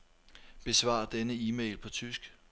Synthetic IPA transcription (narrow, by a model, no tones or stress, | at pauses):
b̥e̝sʋɑ̰̈d̥enəiːmḛɪlpʰɒ̽t͡sʰysɡ̥